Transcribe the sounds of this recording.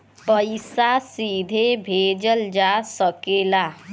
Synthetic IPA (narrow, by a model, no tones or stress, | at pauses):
pəɪsasiːd̪ʱebʱeːd͡ʒəld͡ʒaːsəkeːlaː